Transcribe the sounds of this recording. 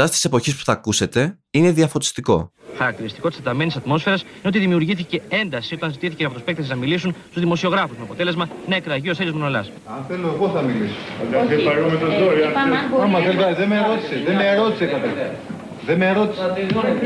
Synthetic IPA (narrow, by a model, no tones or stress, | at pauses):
ɐst̪ise̞po̞çispu̥θɐkuse̞t̪e̞ | ine̞ðiɐfo̞t̪i̥st̪iko̞̰ | xɐɾɐk̚t̪iɾist̪ikot̪i̥st̪et̪ɐme̞nisɐt̪mo̞sfe̞ɾɐsineo̞t̪iðimiuɾʝiθice̞e̞nd̪ɐsio̞t̪ɐnzit̪iθiceɐpot̪uspek̚t̪ɐsiznɐmilis̬unst̪uzðimo̞sio̞ɣɾɐfuzmeɐpo̞t̪e̞le̞zmɐnɐekɾɐʝio̞sθelozmonɐlɐs | ɐnθeloeɣoθɐmilisoepɐɾumet̪ozoomɐvevɐðemeːɾo̞t̪i̥seðemeɾo̞t̪i̥sekɐt̪ɐ | ðemeːɾo̞t̪i̥s